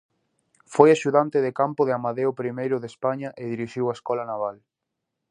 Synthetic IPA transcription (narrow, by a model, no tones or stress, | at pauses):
fojaʃuðant̪ɪðekampʊðɪamaðeʊpɾimejɾʊðespaɲɐʔeðiɾiʃiwaeskɔlanaβ̞al